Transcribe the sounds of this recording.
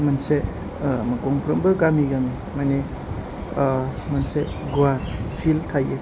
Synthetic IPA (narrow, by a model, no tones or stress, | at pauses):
mɐnse | mɐkɔŋpʰɾɔmbɯɡamiɡami | mane | mɐnse | ɡuwaɾpʰiltʰaje